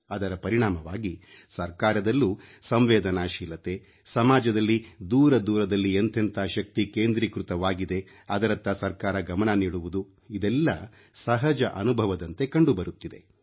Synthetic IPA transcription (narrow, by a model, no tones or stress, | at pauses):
ɐd̪ɐɾɐpɐɾiɳaːmɐʋaːɡisɐɾkaːɾɐd̪ɐlːusɐmʋɛːd̪ɐnaːʃiːlɐt̪e̞ | sɐmaːd͡ʒɐd̪ɐlːid̪uːɾɐd̪uːɾɐd̪ɐlːiɐnt̪ʰɐnt̪ʰaʃɐk̚t̪ikeːnd̪ɾiːkɾut̪ɐʋaːɡid̪e̞ | ɐd̪ɐɾɐt̪ːɐsɐɾkaːɾɐɡɐmɐnɐniːɽuʋud̪u | id̪ɛlːɐ | sɐɦɐd͡ʒɐʔɐnubʱɐʋɐd̪ɐnt̪e̞kɐɳɖubɐɾut̪ːid̪e̞̰